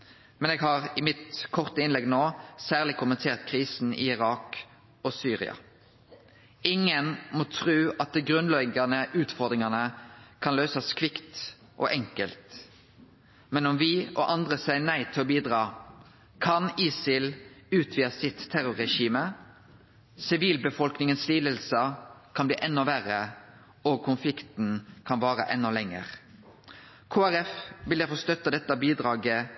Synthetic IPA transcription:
mɛneːɡɦɑːʁɪmɪt̪kʰɔʁt̪əɪnlɛɡnoːsæːʁlɪkʰʊmənt̪ʰeːʁt̪kʰʁiːsn̩ɪ̰ɪʁɑːk | ɔsyːʁɪ̰ɑ̰ | ɪŋːənmɔt̪ʰʁʉːɑt̪̚d̪ɛɡʁʉnlɛɡɑnəʉːt̪fɔʁd̪ʁɪŋɑnəkʰɑnløːsəskʰʋɪkt̪ | ʔɔ̰ːʔɛŋkəlt̪ | mɛnɔmʋɪʔɔ̰ʔɑnd̪ʁəsæɪənæɪt̪ʰɪlɔːbiːd̪ʁɑː | kʰɑniːsɪlʉːt̪ʰʋiːɑsɪt̪ʰːæɾʊʁɾɛʃiːmə | sɪʋiːlbəfɔlknɪŋənsliːd̪əlsəkʰɑnblḭːʔɛnːɔʋæʁə | okʰʊnflɪkt̪n̩kʰɑnʋɑːʁə̰ʔɛnːɔlɛŋːə̰ʁ | kʰoːæɾɛfʋɪld̪æɾfɔst̪œt̪ːəd̪ɛt̪ːɑbiːd̪ɾɑːɡə

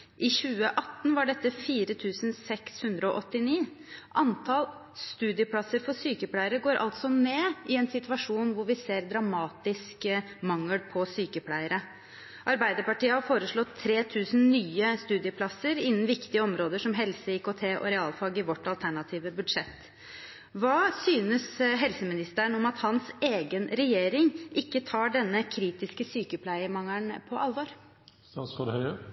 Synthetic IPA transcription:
ʔɪɕʉːəʔɑt̪ːn̩ʋɑɖɛt̪ːəfiːɾət̪ʰʉːsənsɛkshʉnd̪ɾəɔʔɔt̪ːɪniː | ʔɑnt̪ʰɑl | st̪ʉːd̪ɪəpʰlɑsːəɾfɔsyːkəpʰlæɪəɾəɡoːɾʔɑ̰lt̪sɔmeːʔɪɛnsɪt̪ʋɑʂuːnʋʊɾʋɪseːɾd̪ɾɑmɑːt̪ɪsk | mɑŋːəlpʰɔsyːkəpʰlæɪəɾə | ʔɑɾbæɪd̪əɾpɑʈiːəhɑɾfoːɾəʂɭɔt̪ʰːɾeːt̪ʰʉːsnnyːəst̪ʉːd̪ɪəpʰlɑsːəɾɪnːn̩ʋɪkt̪ɪəɔmɾoːd̪əʂɔmɦɛlsəɪkot̪ʰeːʔɔ̰ɾɛɑːlfɑɡɪʋɔʈːɑlt̪ʰæɳɑt̪ʰiːʋəbʉd̪ʂɛt̪ː | ʋɑːsyːnəsɦɛlsəmɪnɪst̪əəɳɔmɑt̪hɑnseːɡənɾɛjeːɾɪŋʔɪkːət̪ʰɑːɖɛnːəkʰɾiːt̪ɪskəsyːkəpʰlæɪəmɑŋæɳpʰɔʔɑlʋoɾ | ɑsfɔd̪hœʏə

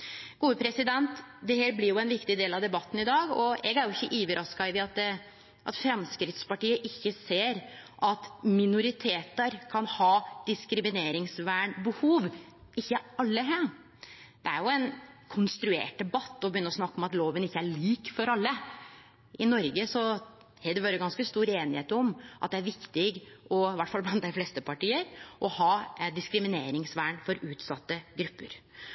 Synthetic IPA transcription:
ɡ̥uːəpʰɾɛsɪd̪ɛnt̪d̪ɛheːɾblɪɾjʊɛnʋɪkt̪ɪd̪eːlɑʋd̪ɛbɑt̪ːn̩ɪd̪ɑːɡɔɛɡæɾjʊɪçːəʔyːʋəɾʔɑskɑʋɪɑt̪̚d̪ | ʔɑt̪fɾɛmskɾɪt̪spɑʈiːəʔɪçːəseːɾʔɑt̪mɪnʊɾɪt̪ʰeːt̪əɾkʰɑnhɑːd̪̥ɪskɾɪmɪneːɾɪŋsʋæːɳbəhuːʋ | ɪçːəɑlːəɦæː | d̪̥ɛæɾjʊɛnkʰʊnst̪ɾʉḛːʈ̚d̪ɛbɑt̪ːɔbəjʏnːəɾɔsnɑkːɔmɑt̪loːʋənɪçːəæɭiːkfɔɾɑlːə | ɪnɔɾɡəsɔ | hɛd̪ɛʋɑːɾəɡɑnskəst̪uːɾeːnɪheːt̪ɔmʔɑ̰t̪̚d̪ɛæɾʋɪkt̪ɪɡʔɔɪʋæʈːfɑlblɑnt̪æɪflɛst̪əpʰɑʈiːəɾʔɔhɑːd̪ɪskɾɪmɪneːɾɪŋsʋæːɳfɔɾʉːt̪sɑt̪ːəɡɾʉpːə̰ɾ

